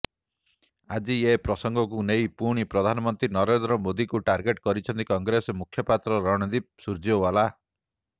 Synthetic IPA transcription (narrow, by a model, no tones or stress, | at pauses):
ad͡ʒiepɾɔsɔŋɡʱɔkunejpuɽ̃ipɾɔd̪ʱanɔmɔnt̪ɾinɔɾend̪ɾɔmod̪ikuʈaɾɡeʈkɔɾit͡ʃʰɔnt̪ikɔŋɡɾesmukʰjɔpat̪ɾɔɾɔɽ̃ɔd̪ip̚suɾd͡ʒowala